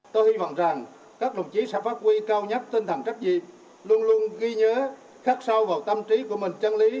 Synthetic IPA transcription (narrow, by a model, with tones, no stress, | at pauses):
t̪o˧jhi˧vɔ̰˧˨wŋ͡mza˨˩ŋ | kaː˦˥k̚ɗə̰˨˧˩wŋ͡mt͡ɕi˨˦sɛ̰˧˥faː˦˥t̚kwi˧kaː˧wɲə˦˥t̚t̪i˧ŋt̪ʰə˧˩ŋt͡ɕa˦˥k̚zḭ˨˩˨ | lu˧ənlu˧ənɣi˧ɲəː˨˦ | xaː˦˥k̚sa˧wvaː˨˩wt̪ə˧mt͡ɕi˨˦ku˧˩əmï˨˩ŋ̟t͡ɕə˧nli˨˦